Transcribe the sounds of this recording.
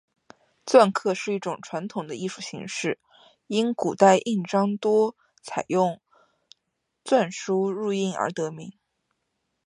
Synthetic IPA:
t͡swa˥˧nkʰɤ˥˧ʂɻ̩˥˧i˥˩ʈ͡ʂʊ˨˩ŋʈ͡ʂʰwa˧˥nt̪ʰʊ˨˩ŋd̪ə˦i˥˧ʂu˥˩ɕḭ˧˥ŋʂɻ̩˥˩ | i˥nku˨˩t̪a˥˧ɪʔi˥˩ʈ͡ʂɑ˥ŋt̪wɔ˥ | t͡sʰa˨˩ɪjʊ˥˧ŋ | t͡swa˥˩nʂu˥ɻu˥˧i˥˩nə̰˞˧˥t̪ɤ˧˥mi˧˥ŋ

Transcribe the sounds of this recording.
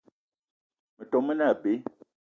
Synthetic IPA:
mə˨tɔ˨mə˦na˦˨pe˨˦

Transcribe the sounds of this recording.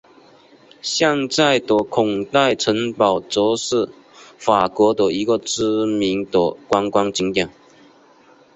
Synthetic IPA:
ɕja˥˧ŋt͡sa˥˩ɪt̪ɔ˨˩kʰʊ˨˩ŋt̪a˥˩ɪʈ͡ʂʰə˧˥ŋpɑ˨˩ʊt͡sɔ˧˥s̩˥˩ | fa˨˩kwɔ˧˥t̪ə˨˩i˧˥ɡə˧t͡s̩˥mi˧˥nt̪ə˨˩kwa˥ŋkwa˥ŋt͡ɕi˧˥ŋt̪ja˨˩˦ŋ

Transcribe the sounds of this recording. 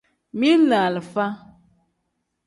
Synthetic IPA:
mi˦la˨lə˨fa˦

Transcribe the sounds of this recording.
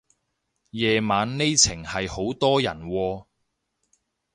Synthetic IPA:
jɛː˨maː˨˧˥nne˥jt͡sʰɪ˨˩ŋhɐ˨jho˨˥wt̪ɔː˥jɐ˨˩nwɔː˧

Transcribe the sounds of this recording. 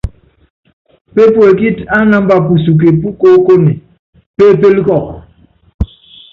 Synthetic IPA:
pe˦po˨e˨ki˦ta˦na˦m˦ba˨pu˨su˨k̬e˨pu˦ko˦ko˦ni˨ | pe˦˨pe˦li˦kɔ˦˨k̚

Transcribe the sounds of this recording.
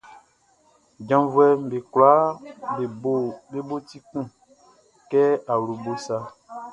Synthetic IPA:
d͡ʒã˨vu˦ɛ˨m˨be˨kla˨˦be˨bo˦be˦bo˦ti˦kũ˦˨ | kɛ˦a˨wɾu˨bo˦sa˦

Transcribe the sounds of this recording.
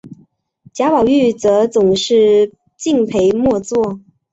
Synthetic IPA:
t͡ɕja˧˥pɑ˨˩ʊy˥˩t͡sɤ˧˥t͡sʊ˨˩ŋʂɻ̩˥˧ | t͡ɕi˥˩ŋpʰe˧˥ɪmwɔ˥˧t͡swɔ˥˩

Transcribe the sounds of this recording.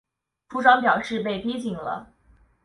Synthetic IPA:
ʈ͡ʂʰu˥ʈ͡ʂwɑ˥ŋpjɑ˨˩ʊʂɻ̩˥˧pe˥˩ɪpi˥t͡ɕi˨˩ŋlə̰˧˦

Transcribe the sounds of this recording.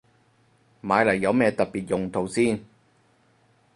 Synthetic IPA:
maː˨˧˥jlɐ˨˩jːɐ˨˧wmɛː˧t̪ɐ˨t̚piː˨t̚jʊ˨ŋt̪ʰo˨˧wsiː˥n

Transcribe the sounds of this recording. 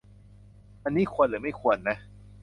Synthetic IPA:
ʔa˧nːiː˦˥˩kʰu˧ənlɯː˨˦ma˥˩jkʰu˧ənːa˦˥

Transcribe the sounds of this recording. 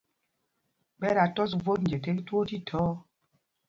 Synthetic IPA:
bɛ˦ɾa˨tɔ˦s̬vo˦t̚n˨d͡ʒɛ˨te˦ki˦two˦ti˦tʰɔː˨˦

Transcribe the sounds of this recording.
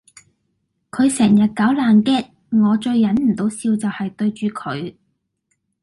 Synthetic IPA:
kʰɵ˨˧ɥsɛː˨˩ŋjɐ˨t̚kɐ˨˥wlaː˨nkɛː˥t̚ | ŋɔː˨˧t͡ʃɵ˧ɥːɐ˨˥nm̩˨˩t̪o˨˥wsiː˧wt͡sɐ˨whɐ˨jt̪ɵ˧ɥt͡ʃyː˨kʰɵ̰˨˧˥ɥ

